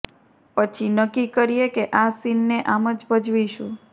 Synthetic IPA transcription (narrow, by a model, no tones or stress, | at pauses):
pət͡ʃʰinəkikəɾijekeʔasinːeʔaməd͡ʒbəd͡ʒʋiʃṵ̃